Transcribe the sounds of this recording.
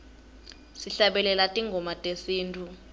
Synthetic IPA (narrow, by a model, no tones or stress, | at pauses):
siɬaɓɛlɛlatʼiŋɡʱɔmatʼesiːntʰʼu